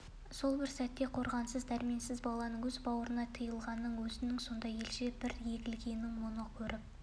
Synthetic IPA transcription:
so̞lˠbɪɾsæt̪ːe̞qʰo̞ɾʁɑnsəzd̪æɾmensɪzbɑlˠɑnəɴwɵzbɑwəɾənɑt̪ʰəjəlˠʁɑnːəɴwɵzɪnɪŋso̞nd̪ɑje̞lʃebɪɾje̞ɡʲɪlɡʲe̞nːɪŋwo̞nəkʲʰɵɾʔɪp̚

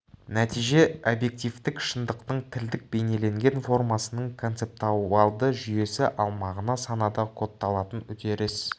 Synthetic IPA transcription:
næt̪ijʒe̞o̞bje̞k̚t̪ijft̪ɪkʃənd̪əqt̪əɴt̪ʰɪld̪ɪk̚be̞ne̞le̞ŋɡʲe̞nfo̞rmɑsənəɴkʰo̞nt̪se̞p̚t̪ɑɑlˠd̪əʒʏje̞sɪʔɑlˠmɑʁənɑsɑnɑd̪ɑqʰo̞t̪ːɑlˠɑt̪ənʊt̪eɾɪs

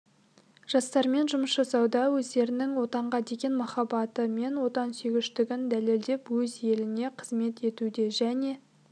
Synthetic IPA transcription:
ʒ̥ɑst̪ɑɾme̞nʒʊməsʒɑsɑwd̪ɑwɵzd̪e̞ɾɪnɪŋwo̞t̪ɑɴʁɑd̪e̞ɡʲe̞nmɑχɑbɑt̪əme̞nwo̞t̪ɑnseɡʲɪʃt̪ɪɡʲɪnd̪æle̞ld̪e̞pwɵzje̞lɪne̞qʰəzme̞t̪e̞t̪ud̪e̞ʒæne̞

